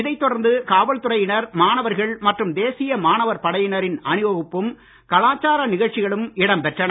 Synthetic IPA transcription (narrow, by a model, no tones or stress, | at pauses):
ɪðɐɪt̪ːɔɽɐɾnd̪ɯkaːʋɐɭt̪ɯɾɐjɪnɐɾmaːnɐʋɐɾɣɐɭmɐʈrɯmd̪eːsɪjɐmaːnɐʋɐɾpɐɽɐjɪnɐɾɪnɐnɯʋɐɣɯpːɯm | kɐlaːt͡ʃːaːɾɐnɪɣɐɭt͡ʃɪɣɐɭɯmɪɽɐmpɛʈrɐnɐ